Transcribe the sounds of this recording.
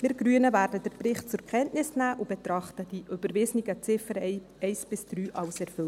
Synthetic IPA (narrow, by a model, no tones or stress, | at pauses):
mɪɾɡ̥ɾyənəvæːɾdədəɾprɪχt̚t͡sʊɾkχɛntnɪsnæːʔʊb̥etɾɑχtəd̥iʔybəɾvɪznɪɡət͡sɪfəɾɛj | ɛɪsb̥ɪsd̥ɾyːʔɑlsɛɾfʏl